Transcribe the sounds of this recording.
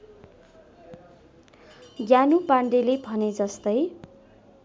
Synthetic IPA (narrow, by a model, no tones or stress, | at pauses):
ɡjanupaɳɖelebʱʌned͡zʌst̪ʌj